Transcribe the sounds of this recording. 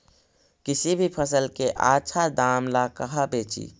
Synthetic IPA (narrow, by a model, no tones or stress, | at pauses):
kɪsibʱipʰəsəlkeʔa̰ːt͡ʃʰad̪aːmlakəɦəbeːt͡ʃḭ